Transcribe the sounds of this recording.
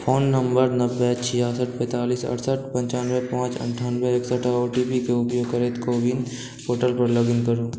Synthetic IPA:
pʰoːnːə̃mbəɾnəʋbːet͡ʃʰɪjaːsəʈpɛ̃ːt̪aːliːsɐ̰ʈsəʈpɐ̃ɲt͡ʃaːnʋepãːt͡ʃə̰̃ɳʈʰaːnʋeeːksəʈʰaoːʈipikeʊpjoːɡkəɾeːt̪koːbɪn | poːʈəlpəɾləɡɪnkəɾuː

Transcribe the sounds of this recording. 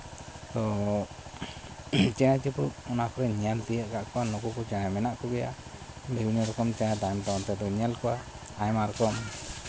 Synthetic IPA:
t̪ɔ | t͡ʃɛnat͡ʃiput̪ɔnakɔɾɛɲalt̪ijəʔkaʔkɔwanukukɔt͡ʃɛnajmɛnaʔkɔɡɛja̰bɛwuɲɔɾɔkɔmt͡ʃɛnat̪aɛmt̪ɔɔnt̪ɛd̪ɔɲɛlkɔwaː | jmaɾkɔm

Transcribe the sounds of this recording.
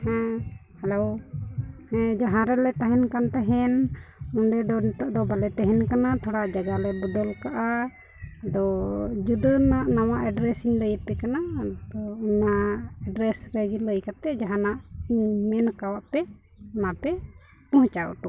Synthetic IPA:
hɛ̃hɛlow | hɛ̃d͡ʒaɦãɾɛlɛt̪aɦɛnkant̪aɦɛnɔɳɖɛd̪ɔnɛt̪ɔʔd̪ɔbalɛt̪ɛɦɛnkanat̪ʰɔɽaʔd͡ʒaɡalɛbud̪ɔlkaʔa | d̪ɔd͡ʒud̪ənaʔnawaʔɛɖɾɛsiŋləjət̪̚pɛkanaɔunaɛɖɾɛsɾɛd͡ʒiləjkat̪ɛd͡ʒaɦanaʔmɛnkawaʔpɛ | napɛ | pɔɦt͡ʃaɔ̰ʈu

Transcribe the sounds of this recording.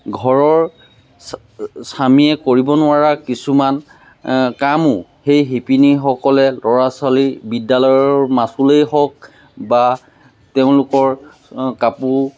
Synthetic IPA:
ɡʱɔɹɔɹ | samiɛkoɹibɔnʊaɹakisuman | kamʊhejɦipiniɦɔkɔlɛlɔɹasalibidːalɔjɔɹmasulejɦɔk̚ | ba | teʊ̃lʊkɔɹ | kapu

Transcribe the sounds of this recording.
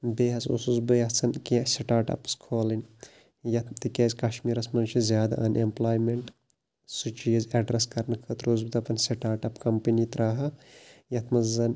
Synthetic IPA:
beːɦɐsṵsuzbɨjɐt͡sʰɐnkeseʈaːɾʈɐ̰pskʰoːlɐnʲ | jɐt̪ʰt̪ikeːzʲkɐʃmiːɾɐsmɐnt͡ʃʰizjaːd̪a̰ʔɐnemplaːjmeɳʈ | sut͡ʃiːzɐɖɾɐskɐɾnkʰɐt̪ɾoːzbɨt̪ɐpɐnseʈaːɾʈɐpkɐmpɐnit̪ɾaːɦɐjɐt̪ʰmɐzzɐn

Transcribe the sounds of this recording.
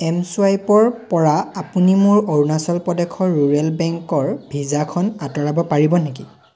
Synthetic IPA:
ɛmsuajpɔɹpɔɹaapunimʊɹoɹnasɔlpɔdɛkʰɔɹuɹɛlbɛŋkɔɹbʱizakʰɔnatɔɹabɔpaɹibɔneki

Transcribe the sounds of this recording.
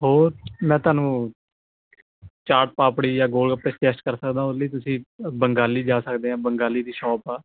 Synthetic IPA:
ɦoːɾmɛ̃ːt̪ʊaːnũː | t͡ʃaːɾʈ̚paːpɽiːjaːɡoːlkəpeːsʈɛːsʈkəɾsəkd̪ãːʊliːt̪ʊsĩːbəŋɡaːliːd͡ʒaːsəkd̪eːãːbəŋɡaːliːd̪iːʃɔːpaː

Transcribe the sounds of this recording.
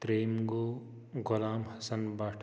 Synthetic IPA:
t̪ɾeːmɡoː | ɡʊlaːmhɐsɐnbaːʈʰ

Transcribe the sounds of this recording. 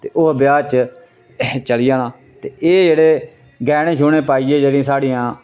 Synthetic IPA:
t̪eːʔʊɦbɪjaːt͡ʃ | t͡ʃəlɪjãːnãː | t̪eːʔeːd͡ʒeːɽeː | ɡɛːñeːʃʊːɳeːpaːiːeːd͡ʒeːɾĩːsaːɽiːãː

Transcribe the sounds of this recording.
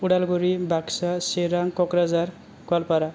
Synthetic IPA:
uɽalɡoɾibʱaksaseɾaŋkɔkɾazaɾ | kalpaɾa

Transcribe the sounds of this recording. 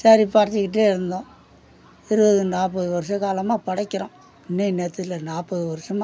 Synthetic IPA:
sɐɾipaːɾt͡ʃːikɪʈ̬ːeːɪɾɯnd̪õː | ɛɾɯbɐðɯnaːpɐðɯʋɐɾɯʂɐkaːlɐmaːpɐɽɐkːɪɾõː | ɪnːinet̪ːlɐnaːpːɐðɯʋɐɾɯʂɐma

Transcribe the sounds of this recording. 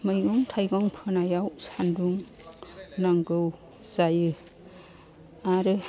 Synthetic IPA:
mɯjɡɔŋtʰajɡɔŋpʰɯnajawsanduŋ | naŋɡɯw | zajɯ | aɾɯ

